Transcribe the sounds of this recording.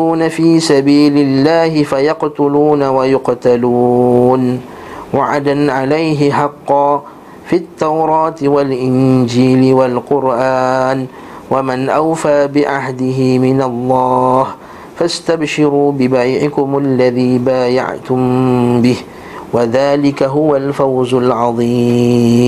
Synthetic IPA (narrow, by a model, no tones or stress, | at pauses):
uːnafiːsabiːlɪlːaːhɪfajɑqt̪ʊluːnawajʊqt̪aluːn | waʕad̪anʕalajɦɪħɑqːɑː | fit̪ːawɾˤɑːt̪walʔɪnd͡ʒiːlɪwalqʊɾʔaːn | wamanʔawfaːbɪʕaɦd̪ɪɦɪmɪnalˤːɑːh | fast̪abʃɪɾuːbɪbajʕɪkʊmalːaðiːbaːja̰ʕt̪ʊmbɪh | waðaːlɪkaɦʊwalfawzʊlʕɑðˤiː